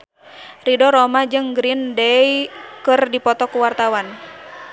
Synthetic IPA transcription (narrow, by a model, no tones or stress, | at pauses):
ridɔɾɔmad͡ʒɨŋɡɾindɛjikɨrdipɔt̪ɔkuwart̪awan